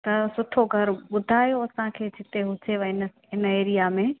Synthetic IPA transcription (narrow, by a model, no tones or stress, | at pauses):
t̪ɐsʊʈʰoɡʱɐɾɓʊd̪ʱaːjoɐsãkʰeːd͡ʑʰʱɪt̪eɦʊt͡ɕeʋɐɲnə̆ɦɪneːɾijamẽ